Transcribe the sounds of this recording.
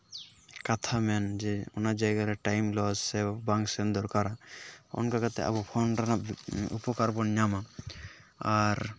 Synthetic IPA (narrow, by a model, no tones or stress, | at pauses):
kat̪ʰamɛnd͡ʒɛɔnad͡ʒajɡaɾɛʈajmlɔd͡ʒsɛbaŋsɛnd̪ɔɾkaɾaɔ̰nkaɡat̪ɛa̰bɔpʰɔnɾanaṵpɔkaɾbɔnɲama | aɾ